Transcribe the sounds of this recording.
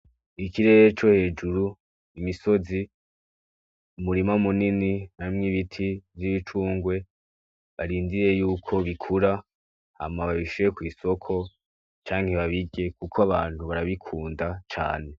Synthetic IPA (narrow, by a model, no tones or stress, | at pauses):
ikiɾe̞ɾet͡ʃo̞he̞ːd͡ʒuɾu | imiso̞zi | umuɾimamunininaimŋiβitʰivjiβit͡ʃuːŋɡwe̞ | βaɾiːndiɾe̞juːkʰo̞βikʰuɾa | ha̰maβaβiʃujekwiːso̞kʰo̞ | t͡ʃaːŋhe̞βaβiɡe̞kukʰoaβaːn̥huβaɾaβikʰuːndat͡ʃa̰ːne̞